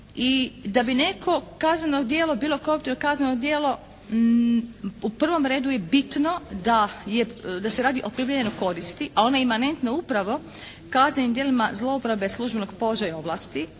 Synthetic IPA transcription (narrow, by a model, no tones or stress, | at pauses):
id̪abine̞kʰo̞kaznano̞ɡd̪je̞ːlobiːlokoup̚t̪inokaznenoɡd̪jeːlo | upr̩ʋo̞mɾeːd̪uje̞bit̪no̞d̪ajed̪aseɾaːd̪iʔo̞pɾiblʲjeʎenojko̞ɾist̪iʔao̞najemane̞nt̪noupɾaʋo̞ | kaznenimd̪jelimazlˠo̞upɾaʋe̞slˠuʒbe̞no̞ɡpo̞loʒajao̞blˠaːst̪i